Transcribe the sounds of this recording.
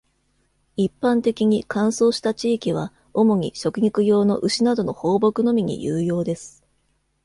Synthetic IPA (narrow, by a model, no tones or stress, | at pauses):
ipːãnt̪e̞kʲiɲ̟ikãɰ̃so̞ːɕi̥t̪at͡ɕiːkʲiβ̞a̰ | o̞mo̞ɲ̟ḭɕo̞kɯ̟ɲʲikɯ̟jo̞ːno̞̰ʔɯ̟ɕinad̪o̞no̞ho̞ːbo̞kɯ̟no̞mʲiɲ̟ḭjɯːjo̞ːd̪e̞sɨ̥